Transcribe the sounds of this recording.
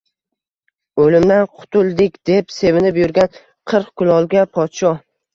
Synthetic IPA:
olɪmd̪anqʰʊ̥t̪ʰʊlˠd̪ɪkʲd̪e̞pse̞vɪnɪpjʊɾɡʲan | qʰɨɾqkʰʊlˠɒlˠɡʲapʰɒt̪ʃɒ

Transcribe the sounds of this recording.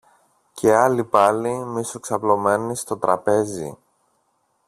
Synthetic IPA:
cʰe̞ɐlipɐlimisoksɐplo̞me̞nist̪o̞t̪ɾɐpe̞zḭ

